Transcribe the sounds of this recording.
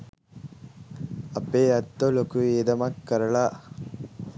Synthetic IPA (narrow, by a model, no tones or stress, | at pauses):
ɐpeːɐt̪ːolokueːd̪ɐmɐkːɐɾɐɭa